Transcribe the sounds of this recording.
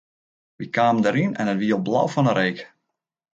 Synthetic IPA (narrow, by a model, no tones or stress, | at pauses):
ʋikaːməndəɾinɛ̰nətʋiəɔlˠblɔ̰wfɔnəɾeːk